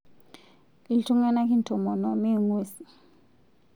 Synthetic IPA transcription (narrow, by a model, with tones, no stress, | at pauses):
i˨li˨tʰu˦ŋa˦na˦ki˦n˨tʰɔ˨mɔ˨nɔ˨mi˦˨ŋweː˦si̥˨